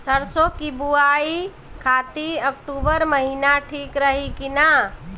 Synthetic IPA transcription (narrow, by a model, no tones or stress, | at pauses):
səɾsokibuai | kʰat̪iəkʈubəɾməɦinaʈʰikɾəɦikina